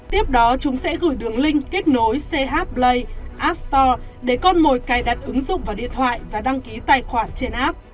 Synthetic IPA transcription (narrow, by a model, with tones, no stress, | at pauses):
t̪i˦˥əp̚ɗɔ˨˦t͡ɕʊ˨˦ŋ͡msɛ̰˧˥ɣɨ̰˧˩jɗɨ˨˩əŋlï˧ŋ̟ke˦˥k̟̚no˨˦jse˧ɦaː˦˥t̚ɓlə˧jʔaː˦˥p̚st̪ɔ˧ | ɗe˧˩kɔ˧nmo˨˩jkaː˨˩jɗaː˨˩t̚ʔɨ˨˦ŋzʊ̰˧˨ŋ͡mvaː˨˩ɗḭ˧˨ənt̪ʰwa̰ː˧˨jvaː˨˩ɗa˧ŋki˨˦t̪aː˨˩jxwaː˧˩t̚t͡ɕe˧nʔaː˦˥p̚